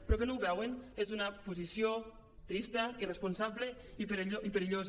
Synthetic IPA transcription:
pɾɔkenowβɛwenezunɐpuzisjo | t̪ɾist̪ɐirespunsaβle | ipeɾoʔipeɾiʎoz

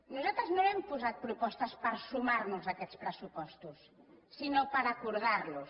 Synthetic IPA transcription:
nosat̪ɾaznõŋempuzat̪̚pɾopɔst̪aspaɾsumaɾnʊsakɛt̪spɾesupɔst̪usː | inopaɾakuɾðaɾlos

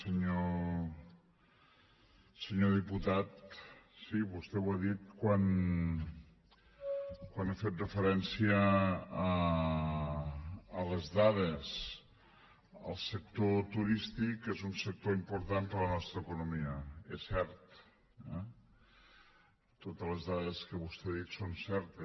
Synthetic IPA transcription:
səɲo | səɲoðiput̪at̪siβust̪ɛwaðit̪̚kwan | kwanafet̪̚rəfəɾɛnsiəː | ələzðaðəs | ə̰lˠsək̚t̪ot̪uɾist̪ikezunsək̚t̪oimpuɾt̪anpələnɔst̪ɾəːkunumiəɛsɛɾt̪ | ɛ | t̪ot̪ələzðaðəskəβust̪ɛaðit̪sonsɛɾt̪ə

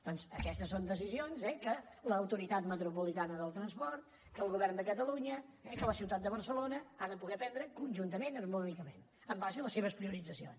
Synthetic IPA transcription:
d̪̥ɔnzəkɛst̪əsond̪əs̬izionzɛkələːwt̪uɾit̪at̪mət̪ɾupulit̪anəðəlˠt̪ɾənspɔɾt̪ | kəːlˠɣuβɛrnd̪əkət̪əluɲəɛkələsiwt̪at̪̚d̪əβ̞ərsəlonəaðəpuɣɛpɛnd̪ɾəkunʲʒunt̪əmenərmunikəmḛn | əmbazəðələseβ̞əspɾiuɾidd͡zəsio̰ns

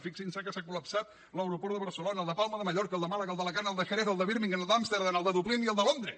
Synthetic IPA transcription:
fiksinsakəsakuləpsat̪ | ləwɾupɔɾðəβəɾsəlonəːlˠd̪əpalˠməðəməʎɔɾkəlˠd̪əmaləɣəlˠd̪ələkanəlˠd̪əxəɾɛðəlˠd̪əβiɾmiŋɡənlˠd̪amst̪eɾðənəlˠd̪əðupliniəlˠd̪əlond̪ɾə

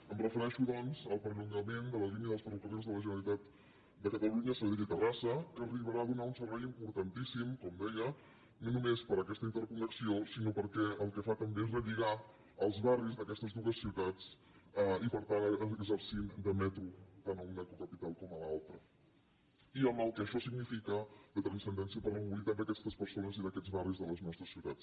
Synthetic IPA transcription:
əmrəfəɾɛʃuðɔnzəlˠpɾəʎuŋɡəmend̪ələliniəðəlˠsfɾəkəlezðələʒənəlit̪at̪ | d̪əkət̪əluɲəsəðit̪it̪ərasəkəːriβ̞əɾaəðunaunsərβɛjimpuɾt̪ənt̪isimkɔmd̪ɛjə | nonumespəɾəkɛst̪əint̪əɾkunəksiosinopəɾkɛəlˠkəfat̪əmbeezrəʎiɣ̞a | əlˠzβarizðəkɛst̪əzðuəsːiwt̪at͡s | əipəɾt̪anəɡzəɾsind̪əmɛt̪ɾut̪anəunɛkukəpit̪alˠkɔməlalˠt̪ɾə | iəmbəlˠkəːʃɔsiɡnifikəðət̪ɾənsənd̪ɛnsiəpərəmuit̪əmbeəkɛst̪əspəɾsonəziðəkɛd͡zβarizðələznɔst̪ɾəsiwt̪a̰t͡s

